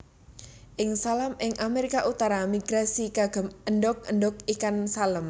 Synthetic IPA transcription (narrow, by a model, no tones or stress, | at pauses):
ʔɪŋsalamɪŋʔameɾikaʔut̪aɾamiɡ̥ɾasiɡaɡ̥ə̤məɳɖɔk̚əɳdɔk̚ikansaləm